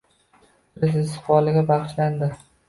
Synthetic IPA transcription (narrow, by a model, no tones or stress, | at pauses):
ɾɪzɪsɪ̥χwɒlɪɡʲabɑχɨʃland̪ɪ